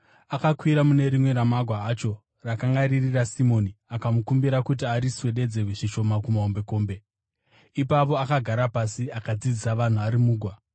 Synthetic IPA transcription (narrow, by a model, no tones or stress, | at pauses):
akakwiɾamune̞ɾimwe̞ɾamaɡʱwaːt͡ʃo̞ | rakaŋɡaɾirirasimo̞niakamukumbiɾakut̬iaɾiswe̞ɗe̞d͡ze̞rweʐiʃo̞makumaombe̞ko̞ːmbe̞ | ipap̬o̞akaɡʱaɾapasiakad͡zid͡zisaʋan̤uaɾimuːɡʱwa